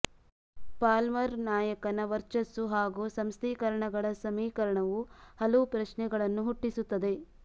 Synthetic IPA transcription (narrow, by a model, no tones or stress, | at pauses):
paːlmɐɾnaːjɐkɐnɐʋɐɾt͡ʃɐsuɦaːɡusɐmst̪ʰiːkɐɾɐɳɐɡɐɭɐsɐmiːkɐɾɐɳɐʋuhɐlɐʋupɾɐʃnɛɡɐɭɐnːuɦuʈːisut̪ːɐd̪e̞